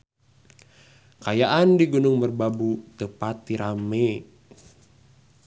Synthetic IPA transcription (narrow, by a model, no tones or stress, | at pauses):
kajaʔandiɡunʊŋmərbabut̪əpat̪ːiɾʔame